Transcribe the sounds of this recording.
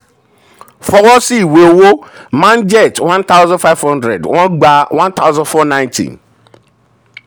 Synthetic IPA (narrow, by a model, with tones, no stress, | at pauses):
fɔ˨wɔ˦si˦˨we˨wo˦mã˦nd͡ʒɛ˦˨twã˦nt̪ʰa˦wzã˦nfa˦ɪvhɔ̃˦ndɾɛ̰˨dwã˦nɡ͡ba˦wã˦nt̪ʰa˦wzã˦nfɔ˦nã˦ɪ̃ntʰḭ̃˨n